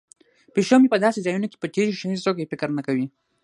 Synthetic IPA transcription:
peʃomipəd̪ɑsezɑjunoke̥pət̪eɾiʃnizt̪okaefɪkɾnakawi

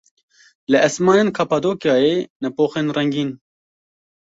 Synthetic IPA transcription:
lɨʔɛsmɑːneːnkʰɑpɑd̪oːkjɑːeːnɛpoːxeːnrɛŋɡiːn

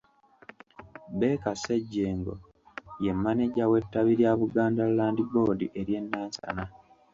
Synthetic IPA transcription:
be̞kaseɟːeːŋɡo̰ | je̞mːaneɟawe̞tːaβiɾjaːβuɡaːndallaːndibo̞ːdiʔe̞ɾje̞nːaːɲsa̰na

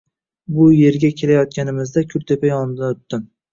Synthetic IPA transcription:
bʊje̞ɾɡʲakʲʰe̞lajɒt̪̚kʲanɪmɪzd̪akʲʰʊɾt̪ʰepʰajɒnd̪aot̪ːɪm

